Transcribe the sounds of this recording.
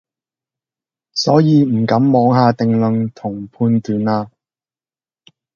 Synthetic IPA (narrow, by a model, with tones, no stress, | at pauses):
sɔː˨˥jiː˨˧m̩˨˩kɐ˨˥mːɔː˨˥ŋɦaː˧t̪ɪ˨ŋlɵ˨ŋt̪ʰʊ˨˩ŋpʰuː˧nt̪yː˨˥nlaː˧